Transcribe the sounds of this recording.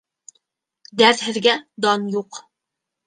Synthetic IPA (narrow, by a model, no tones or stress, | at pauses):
d̪æɾhɪ̆ðɡʲɛd̪ɑnjoq